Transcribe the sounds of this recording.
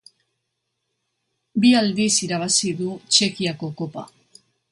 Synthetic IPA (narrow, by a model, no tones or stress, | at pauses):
biald̪isiɾaβ̞asiðut͡ʃe̞kiako̞ko̞pa̰